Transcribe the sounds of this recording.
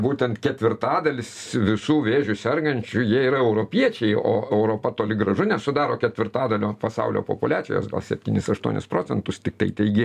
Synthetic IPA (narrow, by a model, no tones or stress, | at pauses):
buːt̪ʲɛnt̪kʲɛt̪ʲʋʲɪrt̪ɑːd̪ɐlʲɪsʋʲɪsuːʋʲeːʒʲʊsʲɛrɡɐnʲt͡ʃʲʊjiɛiːɾɐɛʊɾoːpʲiɛt͡ʃʲɛɪo̰ːɛʊɾoːpɐt̪oːlʲɪɡɾɐʒʊnʲɛsʊd̪ɑːɾoːkʲɛt̪ʲʋʲɪrt̪ɑːd̪ɐlʲoːpɐsɐ̰ʊlʲo̰ːpo̰pʊlʲæːt͡sʲɪjo̰ːsɡɐ̰lˠsʲɛpʲt̪ʲiːnʲɪsɐʃt̪uɔnʲɪ̰spɾoːt͡ssʲɛnt̪ʊst̪ʲɪk̚t̪ɐɪt̪ɛɪɡʲɪ